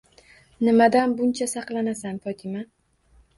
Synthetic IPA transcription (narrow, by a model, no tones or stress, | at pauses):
nɪmad̪anbʊnt͡ʃʰasɑqlˠanasanfɒt̪ʰɪma